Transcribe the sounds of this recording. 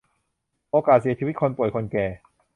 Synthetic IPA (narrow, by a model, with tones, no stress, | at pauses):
ʔoː˧kaː˨˩t̪̚si˨˩˦t͡ɕʰi˧˦i˦˥kʰo˧npu˨˩əjkʰo˧nkɛː˨˩